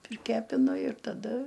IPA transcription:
pʲrʲɪˈkʲæːpʲɪnʊ ɪr tɐˈdɐ

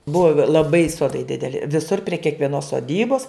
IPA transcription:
ˈbʊʋoː lˠɐˈbɐɪ ˈsoːdɐɪ dʲɪdʲɛˈlʲɪ ʋʲɪˈsʊr pʲrʲiɛ kʲiɛkʋʲiɛˈnoːs soːˈdʲiːboːs

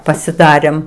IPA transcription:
pɐsʲɪˈdɑːrʲeːm

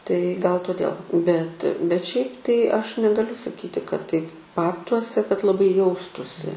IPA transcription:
tɐɪ ɡɐlˠ toːˈdʲeːlˠ bʲɛt bʲɛt ˈʃʲɛɪp tɐɪ ˈɐʃ nʲɛɡɐˈlʲʊ sɐˈkʲiːtʲɪ kɐt tɐɪp ˈbɑːptuɔsʲɛ kɐt lˠɐˈbɐɪ ˈjɛʊstuːsʲɪ

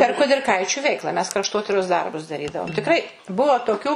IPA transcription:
pʲɛr kʊdʲɪrˈkɐɪt͡ʃʲʊ ˈʋʲɛɪklˠɐ mʲɛs krɐʃˈtoːtʲɪroːs ˈdɐrbʊs dɐˈrʲiːdɐʋoːm tʲɪkˈrɐɪ ˈbuɔ toːˈkʲuː

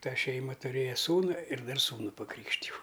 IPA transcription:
ˈtɐ ˈʃʲɛɪmɐ tʊˈrʲeːjɛ ˈsuːnʊ ɪr ˈdɐr ˈsuːnʊ pɐˈkrʲiːkʃʲtʲɪjɛʊ

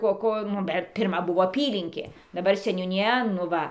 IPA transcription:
ˈkoː ˈkoː nʊ ˈbʲɛt pʲɪrˈmɐ ˈbʊʋoː ɐˈpʲiːlʲɪŋʲkʲeː dɐˈbɐr sʲɛnʲuːnʲɪˈjɛ nʊ ˈʋɐ

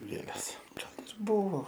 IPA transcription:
ˈɡʲeːlʲɛs ˈɡɐlˠ ɪr ˈbʊʋoː

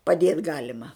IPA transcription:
pɐˈdʲeːt ˈɡɑːlʲɪmɐ

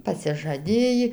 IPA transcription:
pɐsʲɪʒɐˈdʲeːjiː

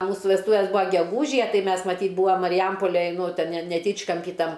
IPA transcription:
ɐ ˈmuːsʊ ʋʲɛsˈtuːʋʲeːs ˈbuːɐ ɡʲɛˈɡuːʒʲɪjɛ ˈtɐɪ ˈmʲɛs mɐˈtʲiːt ˈbuːɐm mɐrʲɪˈjɛmpoːlʲɛj ˈnʊ ˈtʲɛn nʲɛ nʲɛˈtʲiːt͡ʃkɐmʲpʲiː ˈtɐm

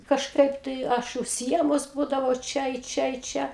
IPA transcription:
kɐʃˈkɐɪp tɐɪ ˈɐʃ ʊʃʲsʲɪˈiɛmʊs ˈbuːdɐʋɐʊ ˈt͡ʃʲɛ ɪ ˈt͡ʃʲɛ ɪ ˈt͡ʃʲɛ

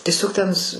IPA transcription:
tʲiɛˈsʲoːk tʲɛn s

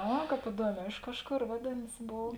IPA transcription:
ˈɐ ˈkɑːp ɪˈduɔˌmʲɛː ˈɪʃ kɐʃˌkoːr ˈʋɑːdʲeːnɐs ˈboːw

